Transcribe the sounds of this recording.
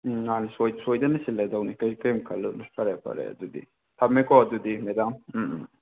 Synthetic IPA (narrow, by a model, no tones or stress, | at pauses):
ŋanisojsojdɐnɐsilːedɐwnikɐjkejmkʰɐlːumpʰɐɾepʰɐ̰ɾḛɐ̰dudḭ | tʰɐmːekɔɐdudimedam̩